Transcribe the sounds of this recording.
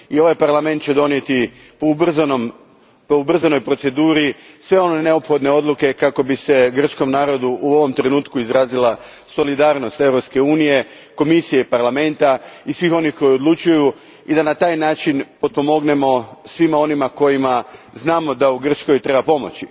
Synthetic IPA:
io̞ʋajpaɾlˠame̞nt̪̚t͡ʃe̞d̪o̞nje̞t̪i | poubznom | poubr̩zano̞jpɾo̞t̪se̞d̪uːɾisʋeo̞nene̞opxo̞d̪ne̞o̞d̪lˠuke̞kako̞bise̞ɡr̩t͡ʃko̞mnaːɾo̞d̪uʔuo̞ʋo̞mt̪ɾe̞nuːt̪kuizɾaːzila | so̞lid̪aːɾno̞st̪e̞ʋɾo̞pske̞uːnije̞ | ko̞misijeipaɾlˠame̞nt̪aisʋixo̞nixko̞jo̞d̪lˠut͡ʃuju | id̪anat̪aːjnaːt͡ʃinpo̞t̪̚po̞mo̞ɡne̞mo̞sʋimao̞nimako̞jima | znaːmo̞d̪auɡr̩t͡ʃko̞jt̪ɾe̞bapo̞mo̞̰t͡ʃi

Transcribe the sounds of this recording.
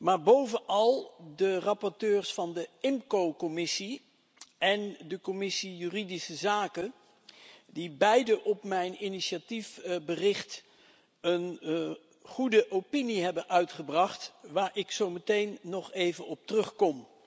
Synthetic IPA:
maːɹbowvənʔɑlˠdərɑpɔɹtøːɹsfɑndəɪmkowkɔmɪsi | ʔɛndəkɔmɪsijyridisəzaːkə | dibɛjdəʔɔpmɛjniniʃatifbərɪχt | ən | χudəʔowpiniɦɛbənʔœɥtχəbrɑχtʋaːɹʔɪksowmətejnːɔχejvənɔp̚trɵχkɔm

